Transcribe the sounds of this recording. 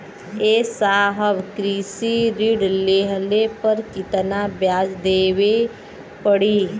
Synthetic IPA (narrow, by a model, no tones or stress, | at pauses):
eːsaːɦəʋkɾiːsiɾiɖleːɦəlepəɾkɪt̪nabjaːd͡ʒd̪eːwe | pəɽiː